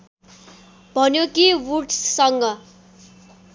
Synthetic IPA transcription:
bʱʌnjokiwuʈssʌŋɡʌ

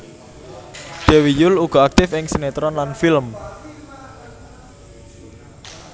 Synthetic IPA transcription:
d̪̥e̤wijʊluɡ̥ɔ̤ak̚t̪ɪfɪŋsenet̪ɾɔnlanfilm

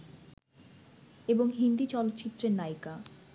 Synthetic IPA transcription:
eboŋɦind̪it͡ɕɔlot̪ːt͡ɕit̪ːɾeɾnajka

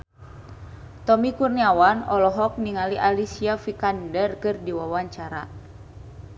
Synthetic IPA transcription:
t̪ɔmikurniawanɔlɔɦɔk̚niŋaliʔalisiafikandərkɨrdiwawaɲt͡ʃaɾa

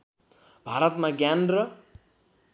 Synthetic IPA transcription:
bʱaɾʌt̪maɡjanrʌ

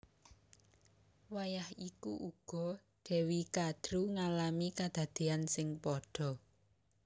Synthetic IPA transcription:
wajahikuʔuɡ̥ɔ̤ | ɖ̪̥ɛ̤wikad̪̥ɾuŋalamikad̪̥a̤d̪̥e̤ansɪŋpɔɖ̥ɔ̤

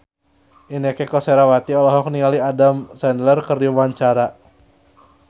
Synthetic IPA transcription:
ʔinɛkɛkɔsɛɾawat̪iɔlɔɦɔkniŋaliadamsɛndlərkəruwaɲt͡ʃaɾa

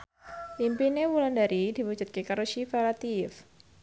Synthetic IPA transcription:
ʔimpinewulandaɾid̥i̤wud͡ʒʊt̪̚kekaɾuʃifaɾat̪if

